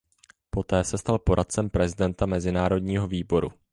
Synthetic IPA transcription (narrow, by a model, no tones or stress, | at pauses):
po̞t̪ɛːsɛst̪alpo̞ɾʔat̪̚t͡sɛmpɾɛzɪdɛnt̪amɛzɪnaːɾo̞dɲiːɦo̞viːbo̞ɾṵ